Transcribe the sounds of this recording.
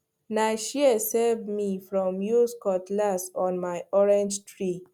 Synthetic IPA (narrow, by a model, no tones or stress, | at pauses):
naɪʃiɛsɛvmifɹɔ̃mjuskɔtlasɔ̃nmaɪɔɹɛ̃nd͡ʒtɹi